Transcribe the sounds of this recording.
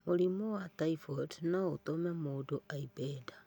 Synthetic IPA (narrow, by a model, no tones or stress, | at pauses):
mulimowataifodnaot̪omemodoʔaibeda